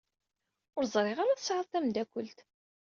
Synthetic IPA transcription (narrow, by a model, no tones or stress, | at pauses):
ʊɾzˤɾˤɪʁaɾaθəsʕəðˤtθæmd̪ækʷəlt̪